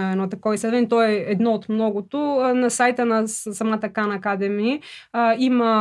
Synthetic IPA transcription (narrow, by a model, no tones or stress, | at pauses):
ɛvɛnot̪ɐkɔɛislɛd̪vɛnit̪ɔɛɛd̪nɔot̪mnɔɡʊt̪onɐsajt̪ənɐsɐmat̪əkanɐːkad̪ɛmiiimɐ